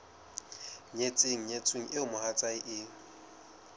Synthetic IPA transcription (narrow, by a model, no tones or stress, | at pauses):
ɲet͡sʼeŋ̩ɲet͡sʼɪŋ̩ʔɪʊmʊhat͡sʼaɪʔɪ